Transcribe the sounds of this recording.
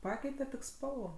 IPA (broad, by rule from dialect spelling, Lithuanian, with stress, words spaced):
ˈpɑːkʲɛɪtʲɛ tʲɪk ˈspɐlˠʋoː